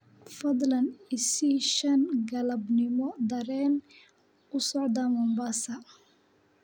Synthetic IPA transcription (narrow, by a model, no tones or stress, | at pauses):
fɐd̪lɐnɪsiʃɐnɡɐlɐbnɪmɔd̪ɐɾɛːn | ʊsɔʕd̪ɐmɔmbasɐ